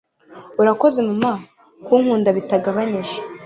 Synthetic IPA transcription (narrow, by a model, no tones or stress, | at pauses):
uɾako̞ze̞muma | kuːŋhuːndaβitaɡaβaniʒe̥